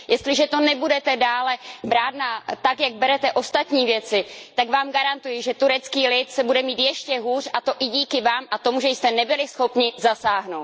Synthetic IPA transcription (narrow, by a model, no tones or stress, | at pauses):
jɛst̪lɪʒɛt̪o̞nɛbudɛt̪ɛdaːlɛbɾaːt̪nat̪akjaɡ̚bɛɾɛt̪ɛʔo̞st̪at̪ɲiːvjɛt͡sɪt̪aɡvaːmɡaɾant̪ujɪʒɛt̪uɾɛt͡skiːlɪt̪sɛbudɛmiːt̪jɛʃcɛɦuːrʔat̪o̞ʔɪɟiːkɪvaːmʔat̪omuʒɛjst̪ɛnɛbɪlɪsxo̞pɲɪzasaːɦno̞wt̪